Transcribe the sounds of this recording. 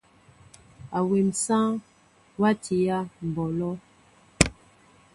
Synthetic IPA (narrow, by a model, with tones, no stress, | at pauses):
a˨we˨m˨sã˦ | wa˦tʰi˨ja˦m̩˨bɔ˨lɔ˦